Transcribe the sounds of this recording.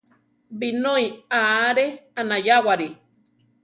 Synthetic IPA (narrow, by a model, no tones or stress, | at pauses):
binoiaɾeanajawaɾi